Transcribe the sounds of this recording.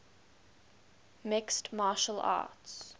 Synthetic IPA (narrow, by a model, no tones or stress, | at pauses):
mɪkstmɑːʃəla̰ːts